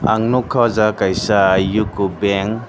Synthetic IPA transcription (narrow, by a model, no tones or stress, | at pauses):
aŋnukʰːazakajsaːjukubeŋ